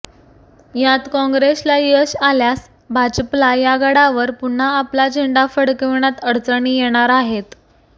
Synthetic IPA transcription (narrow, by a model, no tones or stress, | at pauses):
jat̪kɔ̃ŋɡɾeslajəɕaljas | bʱad͡ʑəplajaɡəɽaʋəɾpun̤ːaːplad͡ʑʱəɳɖafəɽkeʋɳjat̪əɽt͡səɳ̃ijeɽ̃aɾaɦet̪